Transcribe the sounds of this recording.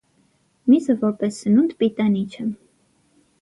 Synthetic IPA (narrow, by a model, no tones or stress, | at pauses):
mizəvɔɾpɛsːənund̪pit̪ɑnit͡ʃʰə